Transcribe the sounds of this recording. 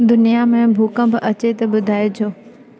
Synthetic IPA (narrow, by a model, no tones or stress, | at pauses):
d̪ʊnijamẽbʱuːkə̃bʔɐt͡ɕet̪ɐɓʊd̪ʱaːed͡ʑʰoː